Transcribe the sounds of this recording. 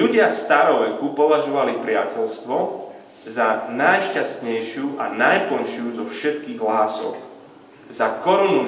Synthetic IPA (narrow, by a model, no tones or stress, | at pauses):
uɟɪast̪aɾɔʋɛkupɔʋaʒɔʋalipɾɪacɛʎst̪ʋɔ | zanajʃcast̪ɲɛjʃɪuʔa̰najpɔnʃɪuzɔfʃɛt̪kiːɣɦlaːsɔ̰k | zakɔɾunu